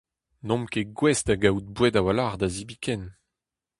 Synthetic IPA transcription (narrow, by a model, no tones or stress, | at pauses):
nɔ̃mkeɡwɛstaɡawut̚bwɛdawalaʁd̪azibikɛn